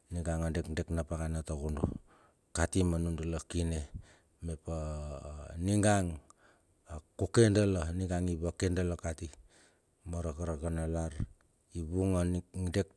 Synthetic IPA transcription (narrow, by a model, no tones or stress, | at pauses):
niŋɡaŋondekdeknapaɣanataɡundṵ | katimanundalokine | mepa | niŋɡaŋ | akukendaloniŋɡaŋiβakendalokati | moɾakaɾaɡanalaɾ | iβuŋondek